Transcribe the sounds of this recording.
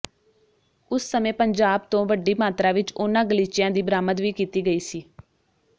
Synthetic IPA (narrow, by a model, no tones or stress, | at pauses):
ʊsːəmẽːpəɲd͡ʒaːbt̪õːʋəɖːiːmaːt̪ɾaːʋɪt͡ʃʊnãːɡəliːt͡ʃɪjãːd̪iːbəɾaːməd̪ʋiːkiːt̪iːɡəiːsiː